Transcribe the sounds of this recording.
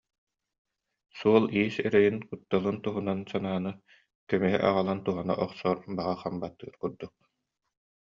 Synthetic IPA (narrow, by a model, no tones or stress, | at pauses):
suɔlˠiːsɛɾɛjinkut̪ːalˠɯnt̪uɦunansanaːnɯ | kœmyɦɛ̰ʔa̰ʁalˠant̪uɦana̰ʔɔχsɔːɾbaʁaχambat̪ːɯ̰ːɾkuɾd̪uk̚